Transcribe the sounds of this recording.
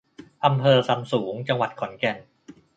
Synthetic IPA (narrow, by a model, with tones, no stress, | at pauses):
ʔa˧mpʰɤː˧sa˧msuː˩˦ŋt͡ɕa˧ŋwa˨˩t̪̚kʰɔ˨˩˦nkɛ˧n